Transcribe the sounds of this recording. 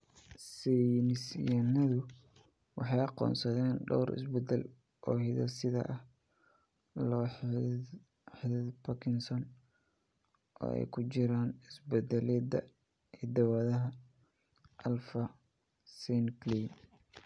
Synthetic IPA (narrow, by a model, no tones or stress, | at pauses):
sɛnɪsjɐnɐðʊ | wɑħɑjɑqɔ̰ːnsɐðɛːnɖɔwɾɪ̰sbɛd̪ɛl | ʔɔːhɪðɐ̰sɪðɐ̰ʔɐh | lɔ | ħɪðɪðpʰɐkʰɪnsɔn | ʔɔ̰ːɛ̰jkʰʊt͡ʃɪɾaːnɪsbɛd̪ɛlɛːd̪ɐ | id̪ɐwaːðɐɦɐ | ʔɐlfɐ | sɛnklin